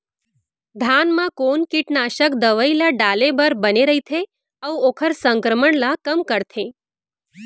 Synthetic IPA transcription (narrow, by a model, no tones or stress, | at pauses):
d̪ʱanmãkonkiʈnaʃəkd̪əʋəilaɖalebəɾbəneɾəit̪ʰe | əʋokʰəɾsəŋkɾəməɳlakəmkəɾt̪ʰe